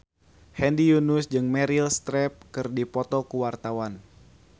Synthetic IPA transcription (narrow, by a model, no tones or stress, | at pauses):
hɛndijunusd͡ʒɨŋmɛɾilst̪ɾɛp̚kɨrdipɔt̪ɔkuwart̪awan